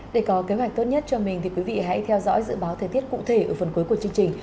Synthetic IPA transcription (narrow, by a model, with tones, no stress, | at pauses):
ɗe˧˩kɔ˨˦ke˨˦ɦwa˨˩jk̚t̪o˦˥t̚ɲə˦˥t̚t͡ɕɔ˧mï˨˩ŋ̟t̪ʰi˨˩kwi˨˦vḭ˧˨ɦa̰˧˥jt̪ʰɛ˧wzɔ̰˧˥jzɨ̰˧˨ɓaː˨˦wt̪ʰəː˨˩jt̪i˦˥ət̚kṵ˧˨t̪ʰe˧˩ʔəː˧˩fə˨˩nku˨˦jku˧˩ət͡ɕɨ˧əŋt͡ɕï˨˩ŋ̟